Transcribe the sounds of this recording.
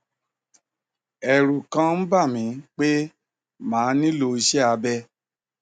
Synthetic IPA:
ɛ˨ɾu˨kã˦m̩˦ba˦˨mĩ˨˦k͡pe˦ | mãː˨˦nĩ˦lo˧i˧ʃɛ˦a˨˧bɛ˧

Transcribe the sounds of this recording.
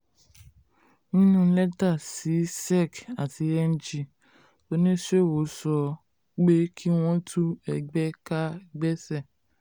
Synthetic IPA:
nĩ˦nũ˦lɛ˦ta˦˨si˨˦sɛ˦˨ka˨ti˨˧ɛ˦n̩˦d͡ʒi˦˨ | to˧nĩ˦ʃe˦˨wo˨˦sɔ˧ | ɡ͡be˦kʰi˦w̃ɔ̃˦tʰu˦ɛ˨ɡ͡bɛ˦ka˦ɡ͡bɛ˦sɛ˦˨

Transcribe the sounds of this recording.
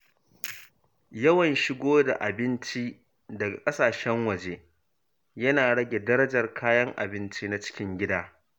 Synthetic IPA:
jɐ˦wɐ˨nʃɪ˦ɡʷoː˦da˨ʔa˨bɪ˦nt͡ʃi˦ | dɐ˨ɡa˨kʼɐ˦saː˨ʃɛ˦ŋwɐ˨d͡ʒeː˦ | jɐ˦naː˨ɽɐ˦ɡʲe˨dɐ˦ɾɐ˦d͡ʒɐ˨rkʰaː˦jɐ˦ŋʔa̰˨bɪ˦nt͡ʃi˦na˦t͡ʃɪ̥˦kʲɪ˦ŋɡʲɪ˦daː˦

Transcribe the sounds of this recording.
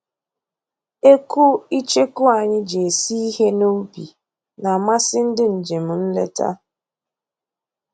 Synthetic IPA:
e˦ku˦i˦t͡ʃe˦kʊ˦a˨ɲɪ˦d͡ʒe˨si˦i˦ɦe˦no˦bi˨ | na˨ma˦sɪ˦n̩˦dɪ˦n̩˨d͡ʒe˨m̩˨n̩˦lḛ˦ta̰˦

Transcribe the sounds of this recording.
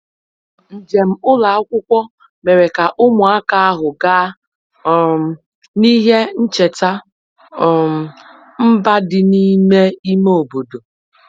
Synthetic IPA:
n̩˨d͡ʒe˨m̩˦ʊ˦la˨˦a˦kʷʊ˦kʷɔ˦ | me˨ɾe˨ka˨ʔʊ˦mʊ˨a˦ka˦a˦ɦʊ˨ɡaː˦˨ | ni˦ɦe˦n̩˦t͡ʃe˨ta˦˨ | m̩˦ba˦dɪ˨ni˦me˦i˦me˦o˨bo˨do˨

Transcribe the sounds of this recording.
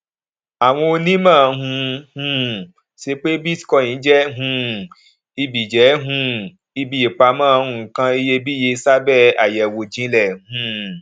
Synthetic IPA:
a˨w̃ɔ̃˧o˧nĩ˦mã˦˨˧ɦũ˧hũ˧ | ʃe˦k͡pe˦bi˦skɔ˧˨jĩ˨˦d͡ʒɛ˦ɦũ˧ | i˧bi˨d͡ʒɛ˨˦ɦũ˧ | i˧bi˧˨je˨k͡pa˧mãː˦˧ũ˨˧˨kã˧i˧je˧bi˦je˧sa˦bɛ˦˨a˨jɛ˨wo˨d͡ʒĩ˨˦lɛ˦˨hũ˨˧˦

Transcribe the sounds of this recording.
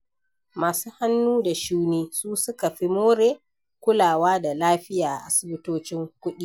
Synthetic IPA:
maː˨suː˦ha˦nːuː˦da˨ʃuː˦niː˦suː˦sʊ˦ka˨ɸi˦moː˦ɾeː˨ | kʷʊ˦laː˨waː˦da˨laː˦ɸɪ˦jaː˨ʔa˨ʔa̰˦sʊ˨bɪ˦toː˦t͡ʃɪ˦ŋkʷʊ˦ɗi˦

